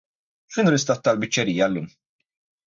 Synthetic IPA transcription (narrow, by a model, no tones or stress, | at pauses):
fɪnʊɾɪst̪ɐt̪ːɐlbɪt͡ʃːɛɾiːjɐlːṵːm